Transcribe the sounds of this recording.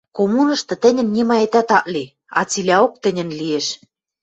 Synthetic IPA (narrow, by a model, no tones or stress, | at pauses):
komunɤ̆ʃt̪ɤ̆t̪ɘ̆nʲɘ̆nːʲimɑet̪æt̪ɑʔli | ɑ̰t͡silʲæok̚t̪ɘ̆nʲɘ̆nlieʃ